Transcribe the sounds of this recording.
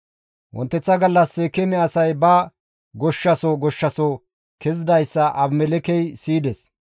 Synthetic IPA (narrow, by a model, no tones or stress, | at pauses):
wʔɔ̰nt̪ːɛt͡sːɐɡɐlːɐsːɛkɛmɛɐsɐjbɐ | ɡɔʃːɐsoɡɔʃːɐso | kɛzɪd̪ɐjsːɐʔɐbmɛlɛkɛjsiːd̪ɛs